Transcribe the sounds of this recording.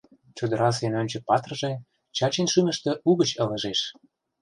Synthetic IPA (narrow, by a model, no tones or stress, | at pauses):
t͡ɕud̪ə̆ɾɑs̬enonʲt͡ɕə̆pɑt̪rə̆ʒĕ | t͡ɕɑt͡ɕenʃymə̆ʃt̪ĕʔuɣə̆t͡ɕə̆lə̆ʒeʃ